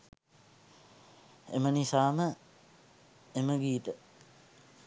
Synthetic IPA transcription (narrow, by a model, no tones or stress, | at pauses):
ḛmənisaːmə | eməɡiːt̪ə